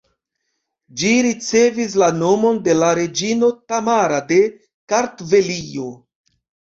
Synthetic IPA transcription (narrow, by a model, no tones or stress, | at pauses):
d͡ʒiɾit͡se̞vis̬lano̞mo̞nde̞laɾe̞d͡ʒino̞tamaɾade̞ | kaɾtve̞lio̞